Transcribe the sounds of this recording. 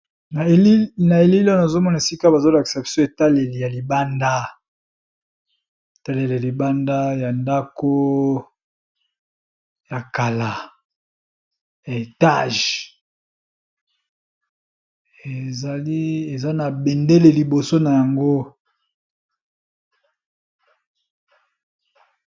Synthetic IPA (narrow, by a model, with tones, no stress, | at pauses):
na˨˦na˨e˨li˦lna˨zo˦mɔ˦na˨e˨si˦ka˦ba˨zo˦la˨ki̥˨sa˨bi˨so˦e˨ta˦le˨le˨ja˨li˨ba˦nda˦ | e˨ta˦le˨le˨a˨li˨ba˦nda˦ja˨nda˦ko˦ | ja˨ka˨la˨ | ja˨e˨ta̰˦ʒ | e˨za˨li˦e˨za˦na˨be˨nde˦le˨li˨bo˨so˦na˨ja˨ŋɡo˦